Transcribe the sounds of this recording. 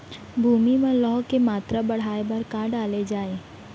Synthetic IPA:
bʱuːmimẽlɔːkemaːt̪ɾabɐɽ̤aːebʱɐɾkaɖaːled͡ʒaːeː

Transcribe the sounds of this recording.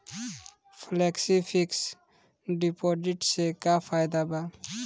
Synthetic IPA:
pʰlɛksipʰiks | ɖipodiʈsɛkapʰajd̪aba

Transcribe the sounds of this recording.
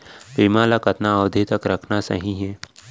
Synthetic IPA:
piːmaːlakət̪naəʋd̪ʱit̪əkɾɐkʰnasɐ̰ɦĩɦɛː

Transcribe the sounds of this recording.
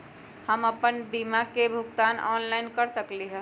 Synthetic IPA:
həməpənbimakebʱuɡt̪anɔ̰nlaɪnkəɾsəkliɦə̃

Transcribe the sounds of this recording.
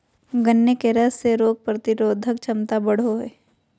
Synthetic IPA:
ɡənːekeɾəsːeɾoːɡ̚pɾɐt̪ɪɾoːd̪ʱək̚t͡ʃʰɐmt̪abɐɽ̤oɦɛː

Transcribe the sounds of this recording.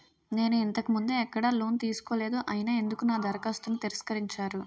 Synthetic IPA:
ne̞ːnuint̪ɐkimund̪eɛkːɐɽɐloːnt̪iːsu̥ko̞ːle̞ːd̪uʔɐjinɐːe̞nd̪ukunaːd̪ɐɾɐkɐst̪unːit̪iɾɐskɐɾiɲt͡ʃaːɾu

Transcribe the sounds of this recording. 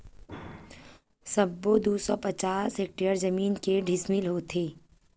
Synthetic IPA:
sɐbːod̪uːsɔpɐt͡ʃaːseːk̚ʈeəɾzɐmiːnkeɖʱɪsmilɦoːt̪ʰeː

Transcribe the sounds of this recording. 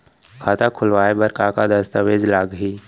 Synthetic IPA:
kʰaːt̪akʰʊlʋaːebɐɾkakad̪ɐst̪əʋeːd͡ʒlaːɡɦiː

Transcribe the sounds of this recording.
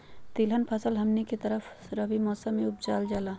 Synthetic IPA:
t̪iːlɦənpʰəsəlɦɐmniket̪ɐɾəfʰ | ɾɐbimɔːsəmːẽʊp̚d͡ʒaːld͡ʒaːlaː

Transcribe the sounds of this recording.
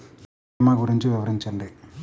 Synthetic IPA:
maːɡuɾiɲt͡ʃiʋiʋɐɾiɲt͡ʃɐɳɖi

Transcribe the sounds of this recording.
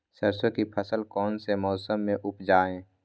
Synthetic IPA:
səɾsõkipʰəsəlkɔːnsemɔːsəmːẽʔʊpd͡ʒaːẽː

